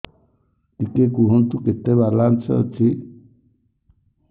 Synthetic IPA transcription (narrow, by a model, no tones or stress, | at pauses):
t̪ikekuɦɔnt̪uket̪ebaɾlant͡ʃʰɛ̰ɔ̰t͡ʃʰi